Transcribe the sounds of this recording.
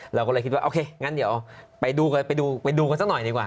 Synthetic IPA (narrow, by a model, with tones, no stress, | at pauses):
lɛː˧˩kːlːkʰːt̪̚wa˧ʔoː˧kʰeː˧ŋaː˧˥ndi˩˦pa˧jduː˧ka˧pa˧jduː˧pa˧jduː˧ka˧nsaː˥nɔ˨˩jdiː˧˩kwaː˨˩